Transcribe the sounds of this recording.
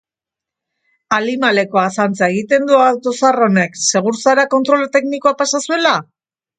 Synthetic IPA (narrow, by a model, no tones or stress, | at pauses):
alimale̞ko̞asant͡sae̞ɣ̞it̪e̞nd̪uat̪o̞saro̞ne̞kse̞ɣ̞uɾsaɾako̞nt̪ɾo̞lt̪e̞knikoapasasue̞la